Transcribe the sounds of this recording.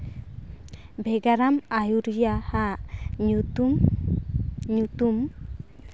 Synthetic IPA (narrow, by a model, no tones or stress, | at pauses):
bʱɛɡaɾamajuɾjahaɲuu | ɲut̪um